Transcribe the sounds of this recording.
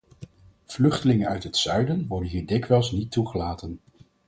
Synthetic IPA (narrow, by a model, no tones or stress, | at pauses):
v̥lɵχtəlɪŋənœɥtɦətsœɥdənʋɔɹdənɦiːɹdɪkʋɛlˠsnitːuχəlaːtən